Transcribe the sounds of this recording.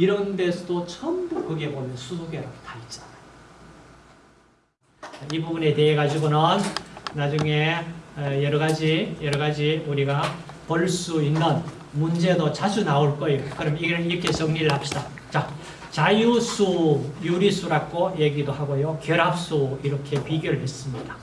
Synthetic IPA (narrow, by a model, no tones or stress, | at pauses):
iɾʌnde̞sʰʌdot͡ɕʰʌmdokɯɡe̞bomjʌnsʰusoɡeɾaɡotait͡ɕ͈ana | t͡ɕaibubune̞te̞ɦeɡad͡ʑiɡonʌnnad͡ʑuŋe̞ | jʌɾʌɡad͡ʑijʌɾʌɡad͡ʑiuɾiɡa | pʌɭs͈uinːɯn | mund͡ʑe̞dot͡ɕad͡ʑunaoɭk͈ʌikɯɾʌmiɡeɾɯiɾʌkʰe̞sʰʌŋɲiɾɯɭhap̚ɕ͈ida | t͡ɕa | t͡ɕajusʰujuɾisʰuɾak͈ʰojeɡidohaɡojokjʌɾɦap̚s͈uiɾʌkʰe̞pɥiɡjʌɾɯɭhe̞s͈ɯmɲid̥a